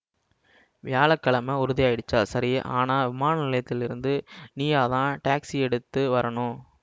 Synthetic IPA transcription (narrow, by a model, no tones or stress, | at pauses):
ʋɪjaːlɐkːɐɭɐmɐʊɾʊðɪjaːjɪɽɯt͡ʃːaːlsɐɾɪʔaːnaːʋɪmaːnɐnɪlɐjɐt̪ːɪlɪɾɯnd̪ɯniːjaːðãːʈaːksiɛɽɯt̪ːɯʋɐɾɐɳʊ̃